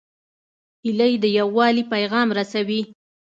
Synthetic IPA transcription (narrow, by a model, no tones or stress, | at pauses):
hiləjd̪əjawːɑlipajɣɑmɾasawi